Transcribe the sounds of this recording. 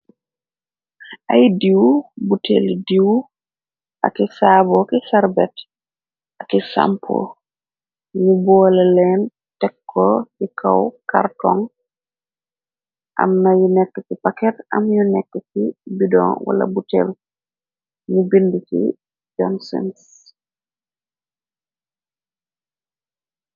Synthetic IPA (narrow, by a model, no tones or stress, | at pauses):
ʔajdiwbutʰḛldiw | ʔa̰kisaːbɔkisaɾbɛt | akisa̰mpʰo̰ | ɲubɔːlɛlɛn | tɛkʰːɔkikʰawka̰rtɔŋ | ʔa̰mnajunɛkːəkipakɛtɐmjunɛkːəkibidɔ̰ŋwa̰la̰butɛ̰l | ɲubindukḭ | d͡ʒɔnsḭns